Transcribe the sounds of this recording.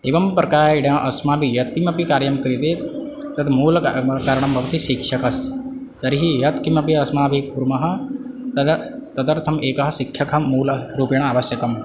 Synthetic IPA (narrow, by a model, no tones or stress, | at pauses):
eːʋɐmpɾɐkaːɾɽjãːʔɐsmaːbʱijɐt̪̚kimɐpikaːɾjɐmkɐɾit̪e | t̪ɐd̪muːlkaːɾɳ̃ɐmbʱɐʋt̪iʃikʃɐkɐs | zɐɾiɦijɐt̪kimɐpiɐsmaːbʱipuɾmɐɦɐ̆ | t̪d̪t̪ɐd̪ɐɾt̪ʰɐmeːkɐɦɐsikʰjɐkʰɐmuːlɾuːpjɐɳ̃aːʋɐsjɐkɐm